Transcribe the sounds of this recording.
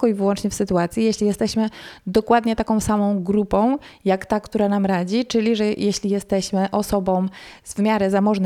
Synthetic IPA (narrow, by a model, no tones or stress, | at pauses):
kɔivɘwɔnt͡ʂɲɛfsɘt̪uat̪sʲjijeɕlʲijɛst̪ɛɕmɘd̪ɔkwad̪ɲɛt̪akɔ̃w̃samɔ̃w̃ɡɾupɔ̃w̃jakt̪akt̪uɾanamɾad͡ʑit͡ʂɘlʲiʐɛjeɕlʲijɛst̪ɛɕmɘʔɔsɔbɔ̃w̃zvmʲjaɾɘzamɔʐn